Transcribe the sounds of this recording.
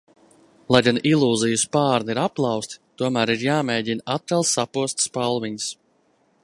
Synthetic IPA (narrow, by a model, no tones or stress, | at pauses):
lˠajɡanilˠuːzijuspaːɾniɾaplˠɑwst̪ʲt̪uɔmæːɾiɾjaːmɛːɟinat̪̚kalˠsapuɔst̪spalˠviɲs